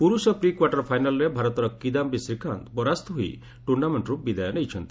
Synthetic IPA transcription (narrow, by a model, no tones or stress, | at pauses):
puɾusɔpɾikwaʈɔɾpʰajnalɔɾebʱaɾɔt̪ɔɾɔkid̪ambisɾikʰant̪pɔɾast̪ɔɦuḭ | ʈuɾɖameɳʈɾubid̪ajɔnejt͡ʃʰɔnt̪i̥